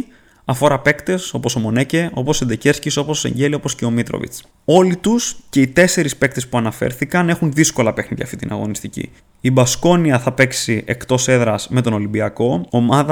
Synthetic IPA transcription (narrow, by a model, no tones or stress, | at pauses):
ɐfo̞ɾɐpe̞kt̪e̞so̞po̞somo̞nece̞o̞po̞sed̪ece̞ɾsciso̞po̞sse̞̰ɲɟelio̞po̞sce̞o̞mit̪ɾo̰vḭt͡s | o̞lit̪usce̞it̪e̞se̞ɾispe̞k̚t̪espuɐnɐfe̞̰ɾθikɐne̞xunðisko̞lɐpe̞xniʝɐ̰ft̪ḭt̪inʔɐ̰ɣo̞̰nist̪icḭ | ibɐsko̞niɐθɐpe̞ksiʔekt̪o̞se̞ðɾɐsme̞t̪o̞no̞limbiɐko̞omɐðɐ